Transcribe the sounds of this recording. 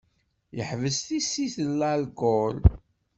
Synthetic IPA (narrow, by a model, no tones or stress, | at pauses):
jəħvəsθisːiθəlːalɡʊl